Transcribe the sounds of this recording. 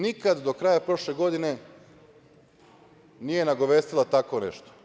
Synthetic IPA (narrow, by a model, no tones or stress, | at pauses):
nikad̪d̪o̞kɾajapɾo̞ʃle̞ɡo̞d̪ine̞ | nije̞naɡo̞ʋe̞ːst̪ilˠat̪ako̞nḛʃt̪o̥